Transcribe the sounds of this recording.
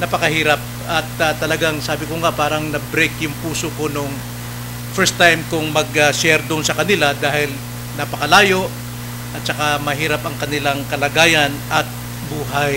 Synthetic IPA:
nɐpɐkɐhiːɾɐp̚ | ɐt̪ɐt̪ːɐlɐɡaŋsaːbɪkoŋapaːɾɐŋnɐbɾejkjʊŋpuːsoko̞noŋ | fɛɹst̪ːajmkʊŋmɐɡɐsɛɾd̪oŋsɐkɐnɪlad̪aːhɪl | nɐpɐkɐlaːjo̞ʔ | ʔɐt̪̚t͡ʃɐkamɐɦiːɾapɐŋkɐnɪlaŋkɐlɐɡaːjɐnɐt̪̚ | buːɦaj

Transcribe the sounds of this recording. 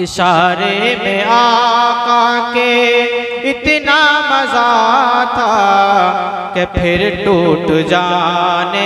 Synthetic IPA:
ɪʃaːɾemẽaːkake | ɪt̪namɐzaːt̪ʰa | kepʰɪɾʈoːʈd͡ʒaːne

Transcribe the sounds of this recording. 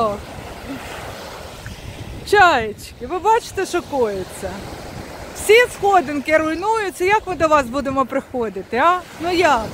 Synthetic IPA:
t͡ʃɑjet͡ʃʲkɪʋɪbɑt͡ʃɪ̥t̪ɛʃɔkɔjʊt͡sʲːɐ | wsʲisxɔd̪ɪnkɪɾʊjnujʊt͡sʲːɐjakmɪd̪ɔʋɑsbud̪emɔpɾɪxɔd̪ɪt̪ɪɑnujɑk

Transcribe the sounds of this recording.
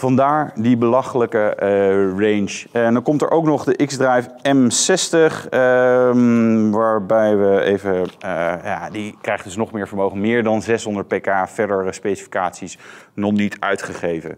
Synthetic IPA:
v̥ɑndaːɹdibəlɑχələkə | rejnʃɛndɑnkɔmtɛ̰ɹʔowknɔχdəʔɪkzdrɛjfɛmsɛstəχ | ʋaːɹbɛjʋəejvəja̰dikrɛjχdɵsnɔχmɪːɹvəɹmowχənmɪːɹdɑnzɛsɦɔndəɹt̚pejkaːv̥ɛɹdəɹɹəspejsi̥fi̥kaːtsisnɔχnitʰœ̰ɥtχəχejvə̰

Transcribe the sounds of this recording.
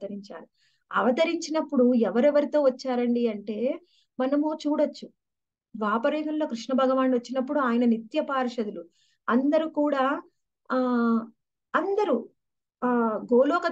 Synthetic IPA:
ɐɾiɲt͡ʃa̰ːli | ɐʋɐt̪ɐɾiɲt͡ʃinɐpːuɽuɛʋɐɾɛʋɐɾit̪o̞ːʋɐt͡ʃːaːɾɐɳɖiɐɳʈe̞ː | mɐnɐmut͡ʃuːɽɐt͡ʃːu | ʋaːpɐɾiːɦɐnlo̞ːkɾiʂɳɐbʱɐɡɐʋaːnʋɐt͡ʃːinɐpːuɽuaːjɐnɐnit̪jɐpaːɾʂɐd̪ulu | ɐnd̪ɐɾukuːɽaː | ɐnd̪ɐɾu | ɡoːlɔːkɐ

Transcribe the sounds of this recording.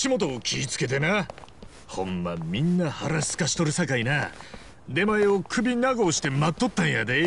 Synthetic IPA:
ɕimo̞t̪̬o̞ːkʲʰiːt͡sɨ̥ke̞t̪̬ena | hõ̞mːamʲĩnːahaɾasɨ̥kaɕi̥t̪o̞ɾɯ̟sakaina | d̪e̞maeokɯ̟bʲinaɡo̞ːɕi̥t̪e̞mat̪ːo̞t̪ːãɰ̃jad̪e

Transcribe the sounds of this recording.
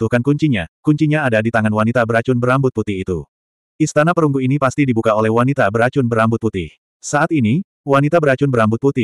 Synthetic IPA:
t̪uhkankuɲt͡ʃiɲakuɲt͡ʃiɲaːdadit̪aŋanwanit̪abəɾat͡ʃʊnbəɾambʊt̪̚put̪ɪhit̪ṵ | ʔist̪anapəɾuŋɡuinipast̪idibukaolɛhwanit̪abəɾat͡ʃʊnbəɾambʊt̪̚put̪ɪh | saat̪ini | wanit̪abəɾat͡ʃʊnbəɾambʊt̪̚put̪ɪ

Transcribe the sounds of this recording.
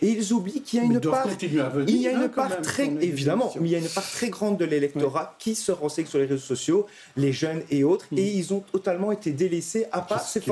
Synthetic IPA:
eilzublikiljaynpaʁ̃t̪inaviljaynpaʁt̪χɛevid̪amɑ̃mɛiljaynpaʁt̪χɛɡʁɑ̃d̪̚ːəlelɛk̚t̪ɔʁakʲisəʁɑ̃sɛɲsyʁleʁezosɔsjo | leʒœneot̪χeilzɔ̃t̪ɔt̪almɑ̃et̪ed̪eleseʔapaʁsef

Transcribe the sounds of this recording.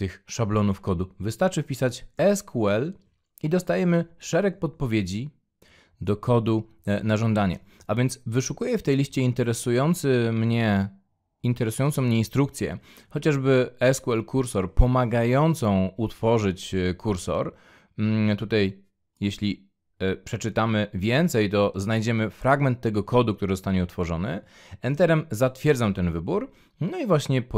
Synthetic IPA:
t̪ɘxʂablɔnufkɔd̪uvɘst̪aɾt͡ʂɘfpʲisat͡ɕɛskʰuɛl | id̪ɔst̪ajɛmɘʂɛɾɛk̚pɔt̪̚pɔvʲjed͡ʑi | d̪ɔkʰɔd̪u | naʐɔnd̪aɲɛ̰avʲjɛnt̪svɘʂukujɛft̪ɛjlʲiɕt͡ɕɛint̪ɛɾɛsujɔnt̪sɘmɲɛ | int̪ɛɾɛsujɔnt̪ɔ̃w̃mɲeinst̪ɾuk̚t̪sʲjɛ̰ | xɔt͡ɕaʐbɘɛskuɛlkʰuɾsɔɾpɔmaɡajɔnt̪sɔ̃w̃ut̪fɔʐɘt͡ɕkʰuɾsɔ̰ɾ | t̪ut̪aj | jeɕlʲi | pʂɛt͡ʂɘt̪amɘvʲjɛnt̪sɛjt̪ɔznajd͡ʑɛmɘfɾaɡmɛnt̪ːɛɡɔkɔd̪uk̚t̪uɾɘzɔst̪aɲɛut̪fɔʐɔnɘ̰ | ɛnt̪ɛɾɛmzat̪fʲjɛɾd̪zamt̪ɛnvɘbuɾ | nɔivwaɕɲɛp

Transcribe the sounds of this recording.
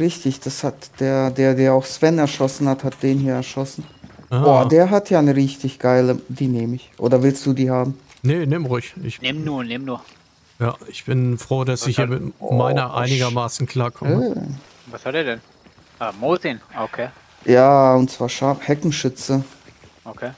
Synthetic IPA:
ʁɪçtɪçd̥ashatd̥eːɐdeːɐdeːɐaʊxsv̥ɛnɛɐʃɔsn̩hathat̚d̥eːnhiːɐɛɐʃɔsn̩aoːɐdeːɐɦatʰjaːnəʁɪçtɪçɡ̥aɪlədiːneːmɪçʔo̰ːdɐvɪlst̚d̥uːdiːhaːbm̩ | nəneːmʁʊçɪçnɪːmnuːɐnɪːmnuːɐ | jaːɪçb̥ɪnfʁ̥oːdasɪhiːɐmɪtmaɪnɐʔa̰ɪnɪɡɐmaːsn̩kʰl̥aːɐkʰɔmə | vashatdeːɐdɛn | ʔamoːzinokʰeː | jaːʊntt͡sv̥aːɐʃaɐfhɛkŋ̩ʃʏt͡sə | ʔokʰeː

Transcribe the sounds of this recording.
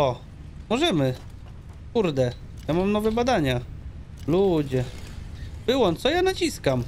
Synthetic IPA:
ɔ | mɔʐɛmɘ | kuɾd̪ɛjamamnɔvɛbad̪aɲa | lud͡ʑɛ | bɘwɔnt̪sɔjanat͡ɕiskam

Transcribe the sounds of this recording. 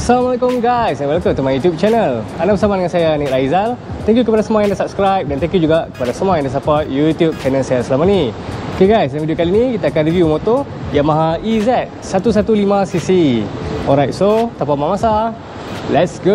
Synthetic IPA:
salamalekʊmɡajsɛbalak̪ot̪əmãjut̪jup̚t͡ʃɛnəlandabəsamadəŋãnsajanɛkaizalt̪ɛ̃ŋk̬jukəpadasəmuajandasap̚skɾajp̚dant̪ɛ̃ŋkjud͡ʒuɡakə̥padasəmuajãndas̬apɔt̪̚jut̪jup̚fɛnɛ̃nsɛlsəlamaniokeɡajsdãŋvidiokalinikit̪aːkanɾivjumot̪oiamaɦaizɛt̪̚sat̪us̬at̪ulimãsisiɔlɾajt̚sot̪apamaamasa | lɛtsɡo

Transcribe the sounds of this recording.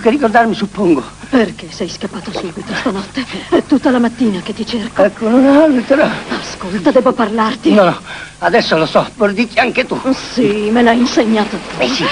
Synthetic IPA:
kːerːikord̪armisupːoŋɡoperk̟esɛjskapːaːt̪osubit̪ost̪anɔt̪ːeɛt̪ːut̪ːalamat̪ːiːnak̟et̪ːit͡ʃerkoɛkːonunaalt̪ɾaaskolt̪ad̪ɛːboparlart̪inɔnɔad̪ɛsːolosɔpoɾd̪ik̪ːiaŋk̟et̪usimelainseɲːaːt̪ot̪ːusi

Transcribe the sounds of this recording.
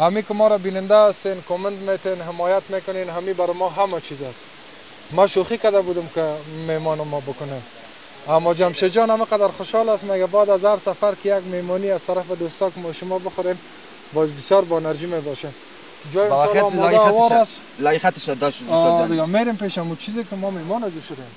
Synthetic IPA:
hamikɪmɔɾabinɪnd̪aːst̪enkomɪnt̪met̪enɦɪmɔjat̪mekʊnenɦamibaɾɪmɔɦamat͡ʃʰizas | maʃoxikad̪abud̪ʊmkɪmemɔnɪmɔbʊkʊne | amːɔd͡ʒamʃed͡ʒɔnamiqad̪aɾxʊʃhɔlasmeɡabɔd̪azaɾsafaɾkɪjaɡmemɔniazt̪aɾafɪd̪ost̪ɔkɪmɔʃʊmɔbʊxʊɾem | bɔzbɪsjɔɾbɔnaɾd͡ʒimebɔʃen | d͡ʒɔjlɔmɔawɔɾas | laxat̪ɪʃad̪ɔʃɔd̪ɪɡameɾempeʃamut͡ʃʰizɪkɪmɔmemɔnazuʃʊd̪em

